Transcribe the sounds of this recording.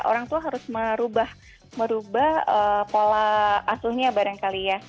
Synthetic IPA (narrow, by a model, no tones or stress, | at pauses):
ʔo̰ɾaŋt̪uaɦaɾʊsməɾubah | məɾubahəpolaʔːsʊhɲabaɾaŋkalija